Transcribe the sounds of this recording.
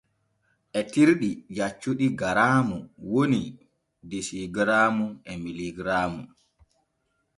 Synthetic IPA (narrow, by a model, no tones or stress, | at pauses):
ʔɛtiɾɗijat͡ʃːuɗiɡaɾaːmuwoni | desiɡɾaːmuʔɛmiliɡɾaːmu